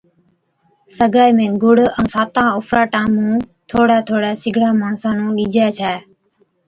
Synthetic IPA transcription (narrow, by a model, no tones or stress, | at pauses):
səɡaːjmẽːɡʊɽə̃ːsaːt̪ãːoːfɾaːʈaːmũːt̪ʰoːɽaːt̪ʰoːɽaːsɪɡʱɽaːmaːnsaːnõːɗiːd͡ʒaːt͡ʃʰaː